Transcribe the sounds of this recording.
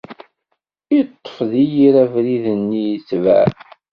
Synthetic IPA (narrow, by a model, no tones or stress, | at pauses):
it̪ˤːfðijiɾævɾiðənːijt͡svæ̰